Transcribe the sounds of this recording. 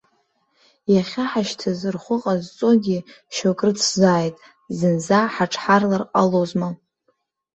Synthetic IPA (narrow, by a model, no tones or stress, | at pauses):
jaχʲaħaʃtʰazɨrχʷʊqʼazt͡sʼoɡʲi | ʃakʼrɨt͡sʰzaːjtʼ | zɨnzaħaʈ͡ʂʰħarlarqʼalozma